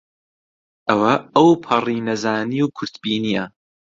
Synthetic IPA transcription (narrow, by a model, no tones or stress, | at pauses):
ʔɐwɐɐwpʰɐriːnɐzaːniwkʰʊɾt̪biːnijɐ